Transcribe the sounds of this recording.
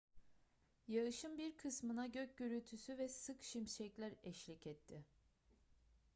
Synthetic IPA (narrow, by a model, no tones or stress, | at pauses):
jaɯʃɯmbiɾkʰɯsmɯnaɟøc̚ɟøɾyt̪ʰysyvɛsɯkʃimʃɛclʲæɾɛʃlʲicɛt̪ʰːɪ